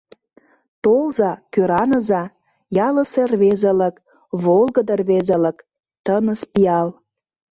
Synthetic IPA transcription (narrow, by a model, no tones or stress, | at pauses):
t̪olzɑkøɾɑnəzɑ | jɑlə̆serβezə̆lə̆k | βolˠɣəd̪ərβezə̆lə̆k | t̪ənəspiɑl